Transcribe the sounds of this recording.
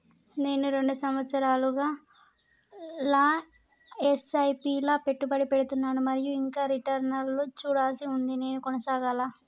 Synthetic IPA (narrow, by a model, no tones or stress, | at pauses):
ne̞ːnuɾe̞ɳɖusɐmʋɐt̪sɐɾaːluɡaː | laː | esɐjpiːlaːpe̞ʈːubɐɽipe̞ɽut̪unːaːnumɐɾijuiŋkaːɾiʈɐɾnɐlːot͡ʃuːɽaːlsiund̪ine̞ːnukɔnɐsaːɡaːlaː